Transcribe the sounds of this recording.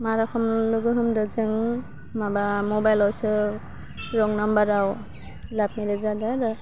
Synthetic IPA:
maɾakʰɔmlɯɡɯɦɯmdɯzɯŋ | mabamɔbajlɔwsɯ | ɾɔŋnambaɾaw | lap̚miɾezadaɾɯ

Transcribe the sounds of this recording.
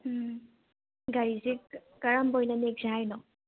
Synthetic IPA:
ɡaɾizikkaɹambojnanek̚zajnɔ

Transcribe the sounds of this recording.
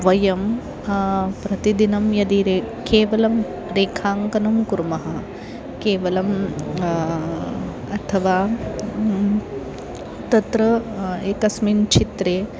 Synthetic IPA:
ʋɐjɐm | pɾɐt̪id̪inɐmjɐd̪iɾe | keːʋɐlɐm | ɾeːkʰaːŋkɐnɐmkuɾmɐɦɐ | keːʋɐlɐm | ɐt̪ʰɐʋaː | t̪ɐt̪ɾɐeːkɐsmint͡ʃʰit̪ɾeː

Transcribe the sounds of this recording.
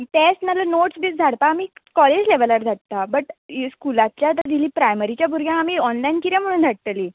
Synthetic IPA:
t̪esnalanoʈsd̪iːt͡sd͡z̪ʱaɽpaːmiːkɔled͡ʑleʋəlaɾd̪ʱaʈ̚t̪abəʈskulat̪t͡ɕjat̪ad̪iliːpɾajməɾit͡ɕjabʱuɾɡjãamiːɔnlajnkiɾɛ̃m̤əɽ̃uːnd̪ʱaɽt̪əliː

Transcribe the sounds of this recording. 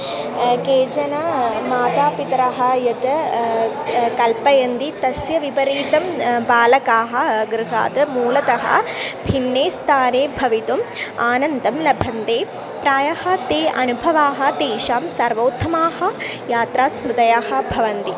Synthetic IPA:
keːd͡ʒɐnɐmaːt̪aːpit̪ɐɾɐɦɐ̆jɐt̪ɐ | kɐlpɐjɐnt̪it̪ɐsjɐʋipɐɾiːt̪ɐmbaːlɐkaːɦɐ̆ɡɾɨɦa̰ːt̪ɐmuːlɐt̪ɐɦɐ̰̆bʱinːeːst̪ʰaːneːbʱɐʋit̪umaːnɐnd̪ɐmlɐbʱɐnt̪eː | pɾaːjahɐ̆t̪eːʔɐnubʱɐʋaːɦɐ̆d̪eːʃaːmsɐɾʋoːt̪ʰːɐmaːɦɐ | jaːt̪ɾaːsmɾud̪ɐjaːɦɐ̆bʱɐʋɐnt̪i

